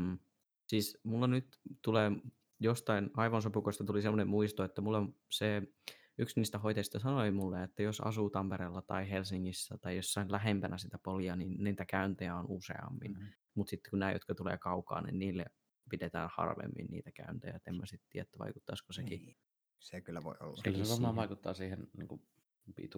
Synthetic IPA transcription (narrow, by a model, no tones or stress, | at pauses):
siːsmulːɑnyt̪t̪uleː | jost̪ɑinɑiʋɑnsopukoist̪ɑt̪ulisemːonemmuist̪oet̪ːæmulːem | se | yksniːst̪æhoit̪ɑist̪ɑsɑnoimulːeet̪ːæjosɑ̰suːt̪ɑmpeɾeːlːɑt̪ɑ̰ihelsiŋːisːæt̪ɑijjosːɑilæɦempænæsit̪æpoljɑniːnniːt̪ækæynt̪ejæonusḛɑ̰mːḭn | mut̪sit̪ːe̥kunnæːjot̪kɑt̪ulḛːkɑukɑ̰ːnḭnniːlːḛ | pidet̪æ̰ːnhɑ̰rʋḛmːḭnnḭːt̪ækæ̰ynt̪æ̰jæ̰et̪ːemmæsit̪t̪ḭːææt̪ːæʋɑ̰ikut̪ːɑskoseki | sekylːˑæʋo̰io̰lːɑylːseʋɑmɑːʋɑikut̪ːɑ̰ːsiːhennḭːŋku | pḭt̪u